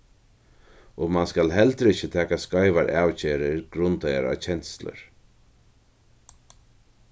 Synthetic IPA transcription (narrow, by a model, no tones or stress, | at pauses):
ɔmanskalɦɛlt̪ɾɪçɪt̪ʰɛːkaskajʋaɾʔaːwt͡ɕeːɾɪɾɡɾʊnt̪ajaɾa̰t͡ʃʰɛnslə̰ɾ